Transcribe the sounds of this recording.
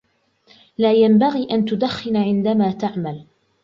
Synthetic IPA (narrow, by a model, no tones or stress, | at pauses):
laːjambaɣiːʔant̪ʊd̪axːɪnʕɪnd̪amaːt̪aʕmal